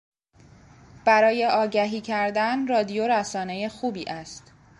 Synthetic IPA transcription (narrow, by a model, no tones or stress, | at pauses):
b̥æɾɒːje̞ʔɒːɟæɦiːcʰæɾd̪ænrɒːd̪ijoɾæsɒːne̞jexuːbiːʔæst̪